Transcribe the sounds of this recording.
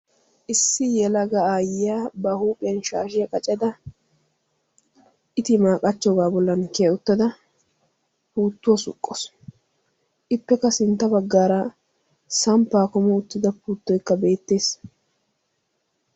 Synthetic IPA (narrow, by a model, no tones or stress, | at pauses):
ʔɪsːɪjɛlɐɡɐaːjɪjaːbɐhuːpʼɪjɐnʃaːʃɪjɐkʼɐt͡ʃʼɐd̪ɐ | ʔɪt̪ɪmaːkʼɐt͡ʃːɔɡaːbɔlːɐnkeʊt̪ːɐd̪ɐ | puːt̪ːʊwɐsʊ̰kʼːɔs | ʔɪpːɛkɐsɪnt̪ːɐbɐɡːaːɾɐ | sɐmpːaːkɔmɔʊt̪ːɪd̪ɐpuːt̪ːɔjkːɐbe̞ːt̪ːe̞ːs